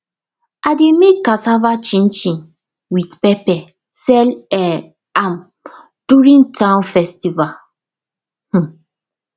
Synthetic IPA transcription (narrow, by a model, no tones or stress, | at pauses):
ademekasavat͡ʃĩnt͡ʃĩn | widpɛpɛ | sɛlɛ | am | d̥uɹĩntãnfɛstival | h̩